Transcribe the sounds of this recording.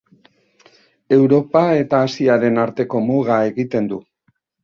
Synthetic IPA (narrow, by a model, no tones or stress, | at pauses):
e̞wɾo̞pae̞t̪aːsiaɾe̞naɾt̪e̞ko̞moɣae̞ɣit̪e̞nd̪u